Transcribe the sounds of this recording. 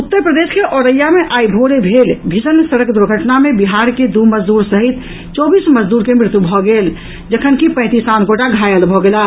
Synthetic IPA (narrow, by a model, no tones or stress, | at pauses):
ut̪ːəɾpɾəd̪eskeʔɔɾəjameʔaibʱoɾebʱelbʱisənsəɾəkd̪uɾɡʱəʈnamebiɦaɾked̪uməd͡ʒd̪uɾsəɦit̪ | t͡ʃɔbisməd͡ʒd̪uɾkemɾɪt̪ubʱɔɡel | d͡ʒəkʰənkipə̃ɪ̃t̪isãnkoʈaɡʱajəlbʱɔɡela